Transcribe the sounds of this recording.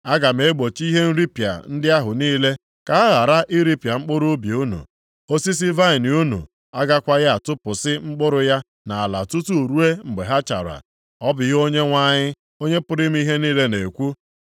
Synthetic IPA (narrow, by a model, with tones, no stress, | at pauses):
a˦ɡa˨m̩e˨e˦ɡ͡bo˨t͡ʃi˦ɦe˦n̩˦ɾi˦pja̰˨n̩˦dɪ˦a˦ɦʊ˨niː˦le˦ | ka˨a˦ɣa˨ɾa˦ʔi˦ɾi˦pja˨ŋ͡m̩˦k͡pʊ˦ɾʊ˦bi˨u˦nṵ˨ | o˦si˦s̬i˦va˦ɪ˨n˨u˦nṵ˨ | a˦ɡa˦kʷa˦ja˦a˨tʊ˦pʊ˨sɪ˦ŋ͡m̩˦k͡pʊ˦ɾʊ˦ja˦ | na˨a˨la̰˨tu˦tu˦o˨ɾu˦e˦ŋ͡m̩˨ɡ͡be˨ɦa˦t͡ʃa̰˨ɾa̰˨ | ɔ˦bʊ˨ɣo˦ɲe˦ŋʷa˦ɲɪ˦ | o˦ɲe˦pʊ˦ɾɪ˦m̩˦i˦ɦe˦niː˦le˦ne˨kʷu˦